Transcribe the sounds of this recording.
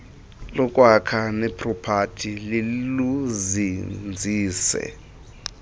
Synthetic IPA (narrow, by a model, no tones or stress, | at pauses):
lɔkʼwakʰanɛpʰʼrɔpʰatʰililuzind͡zʱiːsɛ̰